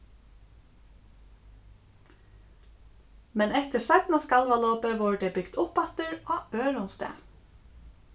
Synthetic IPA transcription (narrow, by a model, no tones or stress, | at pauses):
mɛnɛht̪ɪ̥sat̪naskalʋalɔːpəʋɔːɹəd̪ɛbʏɡ̥d̪ʊpat̪əɹaøːɾʊnst̪ɛ̰ː